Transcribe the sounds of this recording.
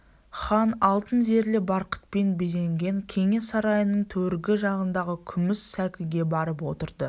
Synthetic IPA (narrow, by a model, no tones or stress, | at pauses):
χɑnɑlˠt̪ənze̞ɾlɪbɑɾqə̥t̪̚pe̞nbeze̞ŋɡʲe̞ŋkʲʰe̞ŋe̞sɑɾɑjənəɴt̪ʰɵɾɡʲɪʒɑʁənd̪ɑʁəkʲʰʏmɪsːækʲɪɡʲe̞bɑɾəpwo̞t̪əɾd̪ə